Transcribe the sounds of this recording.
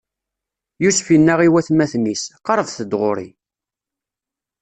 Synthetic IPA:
jusfinːæʁiwæθmæθmisqɑɾˤəvθəd̪ʁoɾḭ

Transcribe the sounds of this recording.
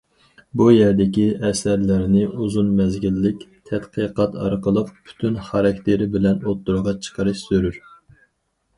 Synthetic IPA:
bujɛɾd̪ɪkʲiʔɛsæɾlɪɾnɪʔuzunmɛzɡʲilːɪkʲt̪ʰɛt̪qʰəqɑt̪ɑ̰ɾqəlˠəqpʰy̥t̪ʰynχɑɾɑkʲt̪ʰeɾɪbɪlɛnot̪ːuɾʁɑt͡ʃʰə̥qʰəɾɨʃsøɾyɾ

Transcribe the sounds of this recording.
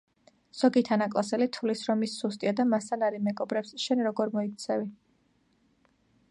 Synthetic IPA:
z̥ɔɡit̪ʰanakʼlˠasɛlit̪ʰulisɾɔmisːust̪ʼiad̪amast̪ʰanaɾimɛɡɔbɾɛpsʃɛnɾɔɡɔɾmɔik̚ʰt̪sʰɛvi

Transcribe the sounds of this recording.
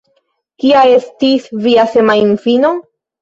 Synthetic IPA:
kiae̞stisviase̞mainfino̞

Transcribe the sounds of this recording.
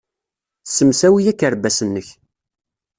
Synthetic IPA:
sːəmsæwijækːəɾbæsənːəç

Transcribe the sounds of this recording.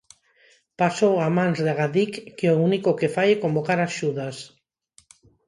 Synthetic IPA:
pasowamãnzðaɣaðikːeounikokefajekombokaɾaʃuðas

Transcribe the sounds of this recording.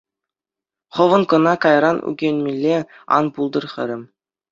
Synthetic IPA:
χɤ̆ʋɤ̆nkɤ̆nɑkɑjɾɑnʉ̰ɡʲenʲmʲilʲːe | ɑ̰npulˠd̪ɤ̆rχʲɘ̆ɾʲɘ̆mʲ

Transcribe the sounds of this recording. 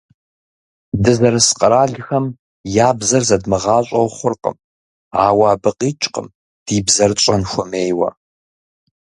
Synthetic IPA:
dɨzɐɾɐsqʼɐɾaːɮxɐm | jaːbzɐrzɐdmɨʁɑːɕʷʼɐwχʷʊrqʼə̰m | aːwaːbɨqʼiːt͡ʃʼqʼə̰m | d̥iːbzɐrt͡ʃʼɐnxʷʊmeːjwɐ̰

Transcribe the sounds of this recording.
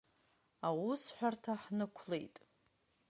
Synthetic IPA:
awusħʷᶣartʰaħnɨkʷʰle̞jtʼ

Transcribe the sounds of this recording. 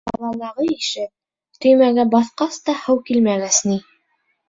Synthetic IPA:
bɑ̰lˠɑlˠɑʁɤiʃɘp̚ | t̪ɵ̆jmæɡæbɑθqɑst̪ɑhɤwkilmæɡæsni

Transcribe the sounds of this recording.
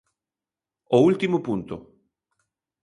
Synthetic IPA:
oult̪imʊpunt̪ʊ̰

